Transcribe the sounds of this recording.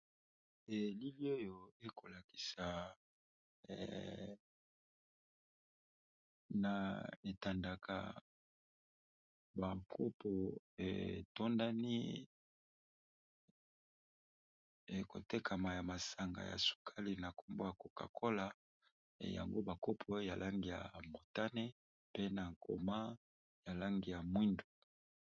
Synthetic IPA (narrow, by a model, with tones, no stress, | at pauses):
e˨li˦li˦o˦jo˨e˦ko˨la˨ki̥˨sa˨ | na˨e˨ta˨nda˨kʰa̰˨ | ba˨ŋkʰo˦po˨ | ḛ˨to˦nda˦ni˦ | e˨ko̰˨te˦kʰa˨ma˨ja˨ma˨sa˨ŋɡa̰˨ja̰˨su̥˨kʰa˦li˨na˨ko˦mbo˦ja˨ko˨ka̰˨kʰo˦la̰˨ | ja̰˨ŋɡo˦ba˨ko˦pʰo˨˦ja˨lʔa˦ŋɡi˨ja̰˨mo˨ta˦ne˦ | pe˦na˨ŋkʰo̰˨ma˦ | ja˨la˦ŋɡi˨ja˨mwi˦ndo˨